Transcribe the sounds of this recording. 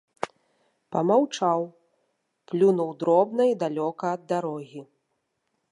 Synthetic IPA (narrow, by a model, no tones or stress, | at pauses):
pɐmawt͡ʂaw | plʲunuwd̪ɾɔbnɐid̪alʲɔkɐːd̪ːaɾɔɣʲi